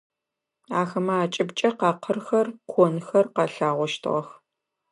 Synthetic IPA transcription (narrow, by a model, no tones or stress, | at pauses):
aːxɐmɐːt͡ʃʼɪbt͡ʃʼɐqɑːqʰərxɐrkʷʰɔnxɐrqɑːɬaːʁʷɔʃtʰɨ̰ʁɐx